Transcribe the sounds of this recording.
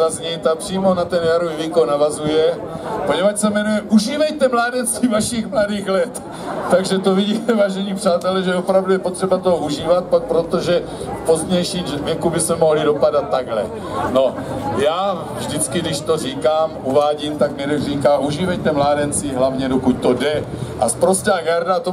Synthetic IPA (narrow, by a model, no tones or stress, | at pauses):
azɲit̪apr̝̥iːmo̞nat̪ɛnjaɾoviːviːkownavazujɛ | po̞ɲɛvat͡ʃsɛmɛnujɛʔuʒiːvɛjt̪ɛmlaːdɛnt͡sviːvaʃɪxmladiːɣlɛt̪ː | aɡʒɛt̪oviɟiːt̪ɛvaːʒɛɲipr̥aːt̪ɛlɛʒɛopɾavdujɛpo̞t̪r̥ɛbat̪oɦouʒiːvat̪̚ppɾot̪o̞ʒɛ | fpozdɲɛjʃiːmvjɛkubɪsmɛmo̞ɦlido̞padat̪ːaɡɦlɛ̰ | no̞jaː | vʒdɪt͡skɪdɪʃt̪oriːkaːmuvaːɟimt̪aɡmɛɾɛriːkaːmʔuʒiːvɛjt̪ɛmlaːdɛnt͡siɦlavɲɛdokuc̚t̪odɛʔaspɾost̪aːɡaɾdat̪o